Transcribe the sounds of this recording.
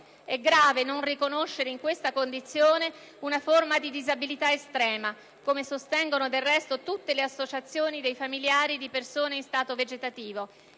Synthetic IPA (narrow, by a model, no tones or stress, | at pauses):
ɛɡɾaːvenonrikonoʃːeɾeiŋkwest̪akond̪it̪sːjoːne | unaformad̪id̪izabilit̪aest̪ɾɛːma | komesost̪ɛŋɡonod̪erːɛst̪ot̪ut̪ːeleasːot͡ʃat̪sːjoːnid̪ejfamiljaːɾid̪ipersoːneinst̪aːt̪oved͡ʒet̪at̪iːvo